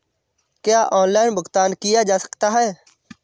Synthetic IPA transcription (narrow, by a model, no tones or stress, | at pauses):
kjaːʔɔːnlaːɪnbʊkt̪aːnkɪjad͡ʒaːsə̥kt̪aɦɛː